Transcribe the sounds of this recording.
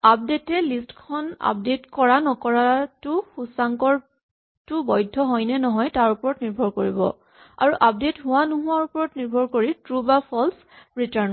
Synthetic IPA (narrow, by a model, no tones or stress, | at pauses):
ap̚detɛlistkʰɔna̰p̚detkɔɹanɔkɔɹatʊxusaŋkɔɹ | tʊbɔjdʱːɔɦɔjnɛnɔɦɔjtaɹupɔɹɔtniɹbʱɔɹkoɹibɔ̰ | a̰ɹuʔap̚detɦʊwanuɦʊwaɹupɔɹɔtniɹbʱɔɹkoɹitɹubapʰɔls | ɹitan